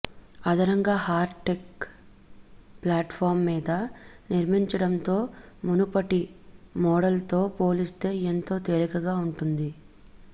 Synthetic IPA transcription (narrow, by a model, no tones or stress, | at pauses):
ɐd̪ɐɾɐŋɡaːhaːɾʈek | plaːʈpʰaːɾmːiːd̪ɐniɾmiɲt͡ʃɐɽɐnt̪o̞ː | munupɐʈimɔːɽɐlt̪o̞ːpo̞ːlist̪e̞ːent̪o̞ːt̪elikɐɡaːuɳʈund̪i